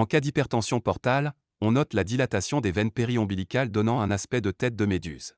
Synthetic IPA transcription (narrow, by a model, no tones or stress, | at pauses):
ɑ̃kad̪ipɛʁt̪ɑ̃sjɔ̃pɔʁt̪al | ɔ̃nɔt̪lad̪ilat̪asjɔ̃d̪evɛnpeʁiɔ̃bilikald̪ɔnɑ̃ɛ̃naspɛd̪ət̪ɛt̪̚d̪əmed̪y̰z